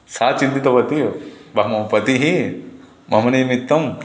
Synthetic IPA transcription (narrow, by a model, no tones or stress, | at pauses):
saːt͡ʃint̪it̪ɐʋɐt̪ijobɐɦmɐbpɐt̪iɦi | mɐmɐnijmit̪ːɐm